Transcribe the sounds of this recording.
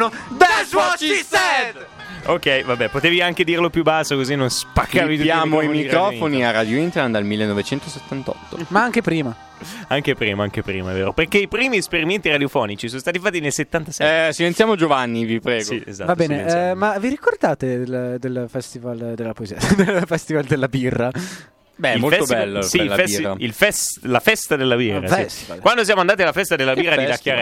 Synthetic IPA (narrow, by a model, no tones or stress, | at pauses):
obɛzwɔt͡ʃsɛ | okɛjvabɛpot̪eːviaŋk̟ed̪iːrlopjubasːokozinːonspakːaːvit̪ujtaːmoimikɾɔfoniarad̪joint̪eɾand̪almilːenːovet͡ʃɛnt̪oset̪ːant̪ɔ̰t̪ːo̰maaŋk̟epɾiːma | aŋkepɾḭːmaaŋk̟epɾḭːmaɛvḛːɾoperkeipɾiːmiespeɾiment̪iɾad̪jofɔːnit͡ʃisonost̪aːt̪ifat̪ːinelset̪ːant̪asɛsivent̪jaːmod͡ʒovanːivipɾɛːsɡiḛzavab̪bɛːneɛmaviɾikord̪aːt̪ed̪eld̪elfɛst̪ivald̪elːapoeziːad̪elfɛst̪ivald̪elːabira | bɛilmːolɛst̪obiɛlːsiɛaḭlfɛslafɛst̪ad̪elːabiːra̰ist̪i̥va̰lkwand̪os̬jaːmoand̪aːt̪ialafɛst̪ad̪elːabiːrːaid̪akːjaɾ